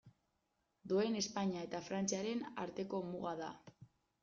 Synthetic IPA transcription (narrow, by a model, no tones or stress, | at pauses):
d̪ue̞ne̞spaɲiae̞t̪afɾant͡siaɾe̞na̰ɾt̪e̞ko̞muɣaða̰